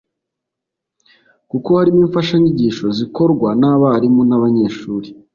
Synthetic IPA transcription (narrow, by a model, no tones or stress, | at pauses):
kuko̞haɾimiːɱfaʃaɲiɟiʃo̞ziko̞ɾɡwanaβaɾimonaβaɲe̞ːʃuːɾi